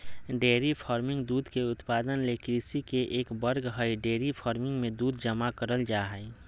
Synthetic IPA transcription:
ɖeːɾipʰaːɾmɪ̃ŋɡd̪uːd̪ʱkeʊt̪paːd̪ənlekɾisikeʔeːkbəɾɡɦəiɖeːɾipʰaːɾmɪ̃ŋɡmẽd̪uːd̪d͡ʒəmakəɾəld͡ʒaːɦəi

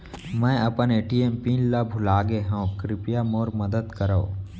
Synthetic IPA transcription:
mɛ̃ːɐpəneːʈieːmpiːnlabʱʊlaːɡeɦõːkɾɪpijamoːɾmɐd̪əd̪kəɾao

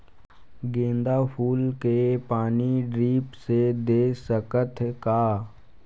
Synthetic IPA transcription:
ɡẽːnd̪apʰuːlkepaːniɖɾiːpsed̪eːsəkət̪ʰkaː

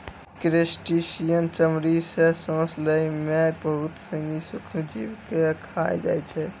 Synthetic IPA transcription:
kɾesʈisijənt͡ʃəmɾisesõːsləimebəɦʊt̪sə̃ŋɡisʊkʰnd͡ʒiwkekʰajd͡ʒa̰ːjt͡ʃʰɛ

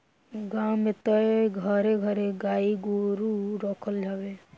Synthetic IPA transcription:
ɡãmet̪əeɡʱəɾeɡʱəɾeɡaiɡoɾuɾɔkʰəld͡ʒabe

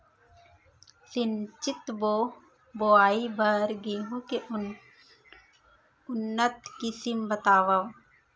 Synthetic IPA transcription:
sɪnt͡ʃɪt̪boː | boaːibʱəɾɡiɦõke | ʊnːət̪kisɪmbət̪aːʋaʋ

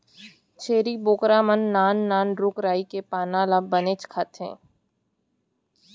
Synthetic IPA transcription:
t͡ʃʰeːɾiboːkɾaːmənːaːnːaːnɾʊkɾaːikepaːnaːlabəneːt͡ʃkʰat̪ʰḛ̃ː

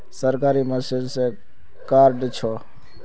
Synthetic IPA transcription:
səɾkaɾiməsilsẽ | kaɾɖt͡ʃʰɔ

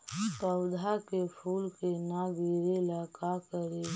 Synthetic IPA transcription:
pəwd̪ʱakepʰuːlkenaɡiːɾelaːkakəɾe

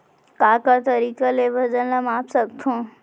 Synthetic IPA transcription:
kaːkat̪əɾiːkalebʱəd͡ʒənlɐmaːpsək̚t̪ʰũː

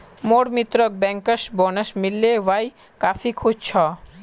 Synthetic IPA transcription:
moɽmit̪ɾɔk̚bɛŋkaʃbɔnaʃmilːewaj | kafʰikʰud͡ʑt͡ɕʰɔ

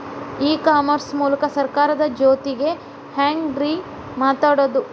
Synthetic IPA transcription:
iːkaːmɐɾsmuːlɐkɐsɐɾkaːɾɐd̪ɐd͡ʒoːt̪iɡe̞ | haːŋɡɖɾi | maːt̪aːɽoːd̪u

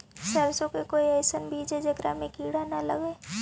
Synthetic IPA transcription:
səɾsõkekoːiɛːɪsənbʱiːd͡ʒed͡ʒeɡɾa̰mẽkiːɽanalɐ̰ɡeː

